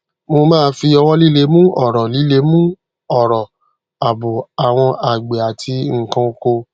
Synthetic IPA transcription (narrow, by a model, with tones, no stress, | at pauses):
mo˧mãː˦˧˦fi˧ɔ˧wɔ˦li˦le˧˦mũ˦ʔɔ˦˨ɾɔ˨li˨˦le˦mũ˦ | ɔ˦˨ɾɔ˨ | a˨bo˨a˨w̃ɔ̃˧ʔa˨ɡ͡be˨a˨tʰi˧ŋ̩˨kã˧ko˧